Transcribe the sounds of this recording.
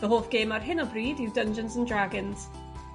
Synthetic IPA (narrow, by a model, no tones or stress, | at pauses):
ðəɦoːfɡ̥eːməɹɦɪnɔbɹiːdiwdə̃nd͡ʒə̃nzə̃ndɹaɡɪ̃nz̥